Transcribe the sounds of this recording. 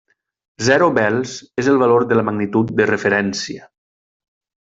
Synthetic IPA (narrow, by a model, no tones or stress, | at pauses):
zɛɾobɛlˠzezəlˠβaloɾðələmaɣnit̪ut̪̚d̪ərəfəɾɛnsiə